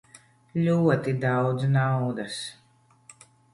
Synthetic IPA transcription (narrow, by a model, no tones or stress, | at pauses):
lʲuɔt̪id̪awd̪znawd̪as